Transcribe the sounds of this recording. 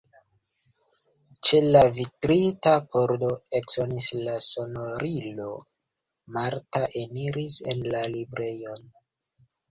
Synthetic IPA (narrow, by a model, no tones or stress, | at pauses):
t͡ʃe̞lavitɾitapo̞ɾdo̞e̞kz̥onislaso̞noɾilo̞ | maɾtaʔe̞niɾise̞̰nlalibɾʔe̞jo̞n